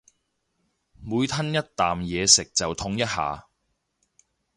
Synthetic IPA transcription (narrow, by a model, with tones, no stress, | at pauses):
muː˨˧jt̪ʰɐ˥njɐ˥t̚t̪aː˨mjɛː˨˧sɪ˨k̚t͡sɐ˨wt̪ʰʊ˧˥ŋjɐ˥t̚ha̰ː˨